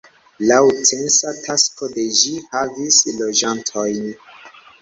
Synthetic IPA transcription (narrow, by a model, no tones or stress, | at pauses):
lawtensatʰaskode̞d͡ʒihavislo̞d͡ʒantʰojn